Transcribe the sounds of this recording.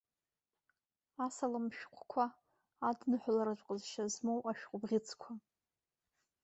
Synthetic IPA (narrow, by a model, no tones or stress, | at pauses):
asalɨmʃᶣqʷʰkʷʰaː | dnɨħʷlaɾat͡ʃʷʼqʼəzʃazmowʔaʃᶣqʷʼʊbʁʲɪt͡sʰkʷʰa